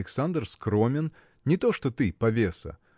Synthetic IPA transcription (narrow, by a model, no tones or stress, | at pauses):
ɪksand̪rskɾomʲɪn | nʲɪt̪oʂt̪ot̪ɨpɐvʲesə̰